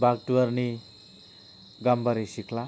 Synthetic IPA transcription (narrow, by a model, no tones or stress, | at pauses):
baɡ̚ʈuwʌɾni | ɡambʌɾisikʰla